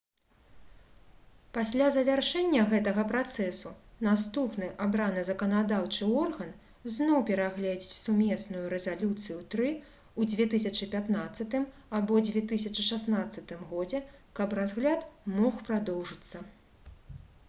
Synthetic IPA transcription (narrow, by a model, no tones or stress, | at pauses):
pasʲlʲazɐvʲarʂɛnʲːɐɣɛt̪ɐɣɐpɾat̪sɛsunast̪upnɨʔabɾanɨzɐkɐnad̪awt͡ʂɨɔrɣɐn | znɔwpʲɛɾaɣlʲɛd͡zʲit͡sʲsumʲɛsnujuɾɛzalʲut̪sɨjut̪ɾɨ | ud͡zʲvʲɛt̪ɨsʲɐt͡ʂɨpʲat̪nat̪sːɐt̪ɨmabɔd͡zʲvʲɛt̪ɨsʲɐt͡ʂɨʂasnat̪sːɐt̪ɨmɣɔd͡zʲɛkɐpɾazɣlʲat̪mɔxpɾad̪ɔwʐɨt̪sːɐ